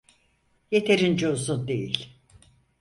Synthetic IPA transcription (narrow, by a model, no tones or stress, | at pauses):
jet̪ʰeɾind͡ʒozund̪ejilʲ